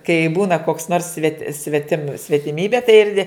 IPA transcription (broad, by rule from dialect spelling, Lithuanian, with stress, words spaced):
kɐɪ ˈbuːnɐ koːks noːrs sʲʋʲɛtʲ sʲʋʲɛˈtʲɪm sʲʋʲɛtʲɪˈmʲiːbʲeː tɐɪ ɪr nʲɛ